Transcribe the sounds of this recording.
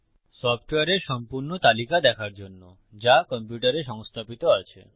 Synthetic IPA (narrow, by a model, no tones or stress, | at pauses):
sɔp̚ʰʈweaɾeʃɔmpuɾɳɔt̪alikad̪ɛkʰaɾd͡ʒonːo | d͡ʒakɔmpjuʈaɾeʃɔŋst̪ʰapit̪ɔat͡ʃʰḛ